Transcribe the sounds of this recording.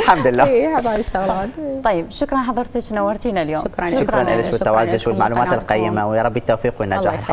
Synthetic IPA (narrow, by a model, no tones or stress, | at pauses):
ħamd̪ɪlːaːhabaːʃːʊɣlaːt̪t̪ːˤɑjːɪbʃʊkɾˤɑnħɑðˤɑɾˤt̪ɪt͡ʃnawːɑɾˤt̪iːnaljoːɾʃʊkkɾˤɑnʔa̰lɪʃwɪt̪ːawaːzd̪ɪʃwɪlmaʕluːmaːt̪ɪlqɑjːɪmawjaɾˤɑbːit̪ːowfiːqwɪnːad͡ʒa̰ːħɪlħɑˤ